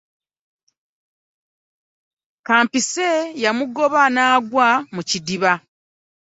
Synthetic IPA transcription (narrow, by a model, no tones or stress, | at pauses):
kaːmpise̞jamuɡo̞βanaːɡwamucidiβa